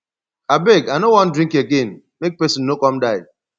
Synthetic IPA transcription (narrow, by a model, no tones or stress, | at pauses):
abeɡanowɔ̃ndɾĩŋkeɡen | mek̚pɛsɪ̃nːokɔmdaɪ